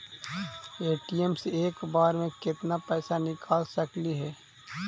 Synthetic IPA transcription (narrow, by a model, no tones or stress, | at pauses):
eːʈiɛmseːkbaːɾmẽkɪt̪napɛːsanɪkʰaːlsɐkliɦɛː